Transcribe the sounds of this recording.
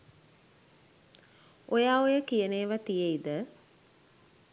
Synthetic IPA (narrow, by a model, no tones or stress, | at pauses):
ojaːojəkijəneːʋat̪ijəid̪ə